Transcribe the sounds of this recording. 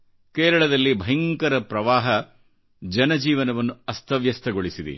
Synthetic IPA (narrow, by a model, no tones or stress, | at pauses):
keːɾɐɭɐd̪ɐlːibʱɐɦjɐŋkɐɾɐpɾɐʋaːɦɐ | d͡ʒɐnɐd͡ʒiːʋɐnɐʋɐnːuɐst̪ʰɐʋjɐst̪ʰɐɡoɭisid̪ḭ